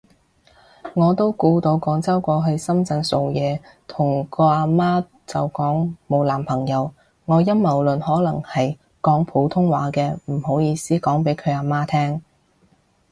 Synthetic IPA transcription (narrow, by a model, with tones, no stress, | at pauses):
ŋɔː˨˧t̪o˥wkuː˧t̪o˨˧wkɔː˨˥ŋt͡sɐ˥wkʷɔː˧ɦɵ˧ɥsɐ˥mt͡sɐ˧nso˨wjɛː˨˧t̪ʰʊ˨˩ŋkɔː˧aː˧maː˥ | t͡sɐ˨wkɔː˨˥ŋmo˨˧wlaː˨˩mpʰɐ˨˩ŋjɐ˨˧w | ŋɔː˨˧jɐ˥mmɐ˨˩wlɵ˨nɦɔː˨˥lɐ˨˩ŋhɐ˨j | kɔː˨˥ŋpʰo˨˧˥wt̪ʰʊ˥ŋwaː˨˥kɛː˧m̩˨˩ho˨˥wjiː˨˧siː˥kɔː˨˥ŋpe˨˥jkʰɵ˨˧ɥaː˧maː˥t̪ʰɛː˥ŋ